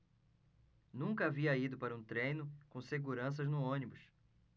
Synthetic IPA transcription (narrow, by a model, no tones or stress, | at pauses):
nũŋkɐaviɐid̪ʊpaɾɐũt̪ɾẽjnʊkõseɡuɾɐ̃s̬ɐznʊõnibʊs